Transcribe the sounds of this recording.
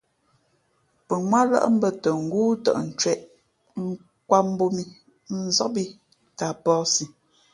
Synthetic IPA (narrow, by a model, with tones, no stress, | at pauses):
pə˨ŋwa˦lə̰˦ʔm̩˦bə˦˨tə˨ŋ̩˨ɡuː˦tɔ̰˨ʔn̩˨t͡ʃwɛ˨ʔ | ŋ̩˦ | kwa˦m˦bo˦mi˦ | n̩˨˦zɔ˦ʔ̚bi˦ | ta˨pɔː˦si˨